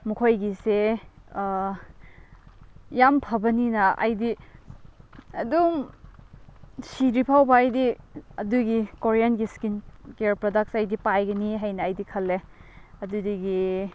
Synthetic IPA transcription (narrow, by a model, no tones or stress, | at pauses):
mukʰojɡise | jampʰɐbɐninɐʔɐ̰jdi | ɐ̰dum | siɾipʰawbaɐjdiɐduɡikoɾijanɡiskinkeɾpɾodak̚sɐjdipajɡɐniɦajnɐːjdikʰɐlːeɐdudiɡi